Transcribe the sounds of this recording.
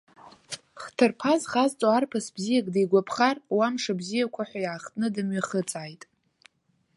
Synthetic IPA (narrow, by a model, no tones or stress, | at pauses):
χtʰɨrpʰazχazt͡sʼoarpʰasbzijakʼdajɡʷapʰχarwamʂabzijakʷʰaħʷajaːχtʼnɨdamɥaχət͡sʼaːjtʼ